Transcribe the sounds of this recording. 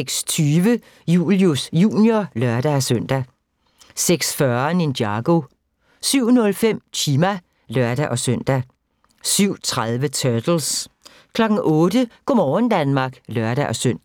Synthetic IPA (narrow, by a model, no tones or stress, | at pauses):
eɡ̥st͡sʰyːʋə | jṵːljusjṵːnjolɶɐd̥ææsøn̰d̥æ | seɡ̥sfɶɐnend̥jɑ̈ɡ̥o̝ | syʊ̰nɔ̽lfem̰t͡sʰiːmæ | lœɐ̰d̥æʔɒ̽sœn̰d̥æ | syʊ̰t͡sʰʁaðˠʋət͡sʰœɐd̥l̩s | kʰlɒ̽ɡ̥n̩ʔɔ̽ːɾ̥əkomɒːənd̥ænmɑ̈ɡ̥lœɐɾ̥æʔɒ̽søn̰d̥æ